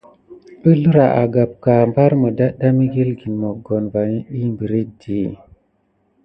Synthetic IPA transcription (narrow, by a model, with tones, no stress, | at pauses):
ə˦lu˦ɾa˨ʔa̰˨ɡa˨p̚ka˨mba˦ɾmə˨da˦ɗa˦mi˦ɡi˦lɡi˨nmo˨ɡo˨nva˨ni˦ɗi˦mbi˨ɾi˦di˨